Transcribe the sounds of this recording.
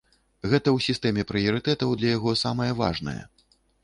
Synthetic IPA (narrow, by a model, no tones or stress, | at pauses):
ɣɛt̪ɐwsʲist̪ɛmʲɛpɾɨjɐɾɨt̪ɛt̪ɐwd̪lʲɐjaɣɔsamɐjɐva̰ʐnɐ̰jɐ̰